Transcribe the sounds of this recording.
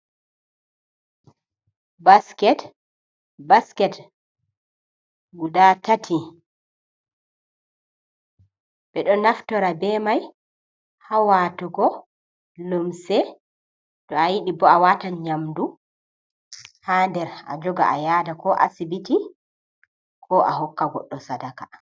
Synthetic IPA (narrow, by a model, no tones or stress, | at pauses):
baskɛt | baskɛt | ɡudatatʰi | ɓɛɗɔnaftɔɾabɛmaj | hawatɔɡɔ | lomsɛ | dɔajiɗibɔawataɲamdu | haːndɛɾa̰d͡ʒɔɡa̰ʔa̰jadakɔʔa̰sibiti | kʰɔʔaɦɔkːaɡɔ̰ɗːɔsadaka